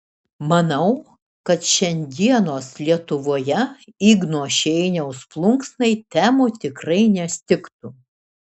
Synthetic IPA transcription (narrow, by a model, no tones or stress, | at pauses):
mɐnɐʊ | kɐt̪ʃʲɛnʲd̪ʲiɛnoːslʲiɛt̪ʊʋoːjɛiːɡnoːʃʲɛɪnʲɛʊsplˠʊŋksnɐɪt̪ʲæːmoːt̪ʲɪkɾɐɪnʲɛsʲt̪ʲɪkt̪ʊ